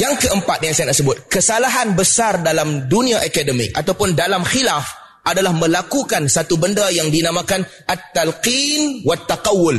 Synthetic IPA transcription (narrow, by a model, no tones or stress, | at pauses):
jaŋkəʔəmpat̪̚jaŋsajanaʔsəbʊt̪̚kəsalaɦanbəsardalamdunĩaʔakadəmḭkʔat̪awpʊndalamxilaf | ʔadalahmə̃lakukansat̪ubəndajaŋdinamãkanʔat̪ːalqinwat̪ːaqawːʊl